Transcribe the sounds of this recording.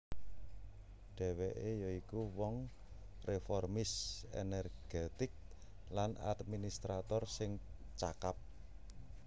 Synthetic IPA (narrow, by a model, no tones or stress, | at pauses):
ɖ̥ɛ̤weʔejɔikuwɔŋ | refɔrmɪsḛnɛrɡ̥et̪ɪk̚ | lana̰d̪minist̪ɾat̪ɔrsɪŋ | t͡ʃakap̚